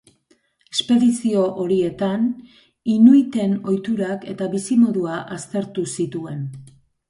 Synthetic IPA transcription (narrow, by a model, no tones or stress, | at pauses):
espe̞ðisio̞ʔoɾie̞t̪an | inujt̪e̞no̞jt̪uɾake̞t̪aβisimo̞ðuaʔast̪e̞ɾt̪usit̪ue̞n